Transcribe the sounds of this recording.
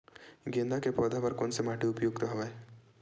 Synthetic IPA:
ɡẽnd̪akepɔd̪apɐɾkoːnsemaːʈiʊpjoːɡ̚t̪oɦoʋae

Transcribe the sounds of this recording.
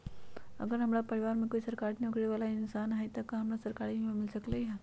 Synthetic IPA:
ə̰ɡəɾɦɐmɽapəɾiʋaɾmẽkoisəɾkaɾneukʰɽeʋalaɪnsanɦait̪əkaɦɐmɽasəɾkaɾimimɪlsəkleɦa

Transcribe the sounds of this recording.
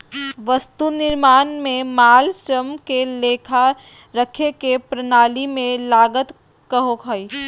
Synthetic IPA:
ʋəst̪unɪɾmaːnmẽmaːlsɾəmkeleːkʰa | ɾəkʰekepɾənaːlimẽlaːɡət̪ | kəɦokʰəi

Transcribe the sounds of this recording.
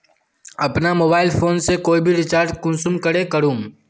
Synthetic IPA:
ɐpnamoːbaːɪlpʰoːnsekoːibʱiɾɪt͡ʃaːɾʈ̚kʊ̃nsʊmkəɽekəɾũːm

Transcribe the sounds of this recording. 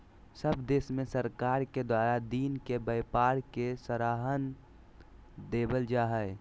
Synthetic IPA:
səbd̪eːsmẽsəɾkaːɾked̪waːɾad̪iːnkebəjpaːɾkesəɾaːɦən | d̪eːbəld͡ʒaːɦəe

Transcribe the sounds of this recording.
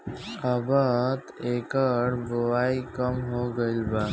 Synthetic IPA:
əbət̪ekəɽboʋaikəmɦoɡəilba

